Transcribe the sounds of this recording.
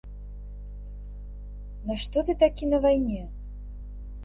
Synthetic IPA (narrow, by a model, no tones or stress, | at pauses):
nɐʂt̪ɔt̪ɨt̪akʲinɐvajnʲɛ